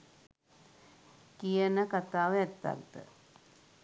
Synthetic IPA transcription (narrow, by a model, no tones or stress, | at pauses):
kijənəkat̪aːʋɛt̪ːa̰kd̪ə̰